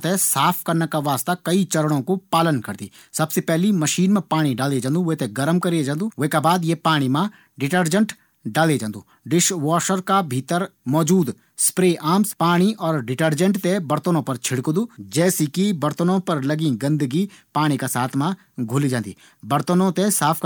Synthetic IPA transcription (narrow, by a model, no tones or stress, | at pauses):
t̪esaːpʰkɐɾnekaʋaːst̪akɐit͡ʃɐɾəɽ̃õkopaːlənkɐɾd̪ḭː | sɐbsepɛɦlimɐʃiːnmẽpaːɽ̃iɖaːled͡ʒãːnd̪ũʋɦt̪eɡɐɾəmkɐɾid͡ʒãːnd̪uːʋɦekabaːd̪jepaːɽ̃imã | ɖɪʈəɾd͡ʒə̃ɳʈ | ɖaːled͡ʒãːnd̪uː | ɖɪʃʋaːʃəɾkabʱiːt̪əɾmɔːd͡ʒuːd̪ | spɾeːʔaːmspaːɽ̃iʔɔːɾɖɪʈəɾd͡ʒə̃ɳʈt̪ebɐɾt̪ənõpɐɾt͡ʃʰɪɽkd̪uːd͡ʒɛːsikibɐɾt̪ənõpɐɾlɐɡĩɡɐ̃nd̪əɡipaːɽ̃ikasaːt̪ʰmã | ɡʱʊlid͡ʒãːnd̪ḭː | bɐɾt̪ənõt̪esaːpʰ